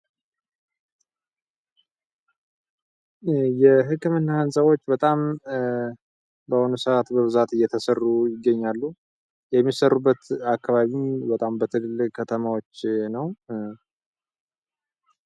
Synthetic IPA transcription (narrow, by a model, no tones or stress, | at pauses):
jɛɦɨkːɨmɨnːahansʼəwo̞t͡ʃːbət̪ʼam | bəhonusəat̪bəβɨzat̪ɨjːɛt̪ʰəsərːujɪɡːəɲːalːu | jɛmːisərːubːət̪akːaβaβimbət̪ʼambət̪ʰɨlɨlɨkʰət̪ʰəmawo̞t͡ʃːnəw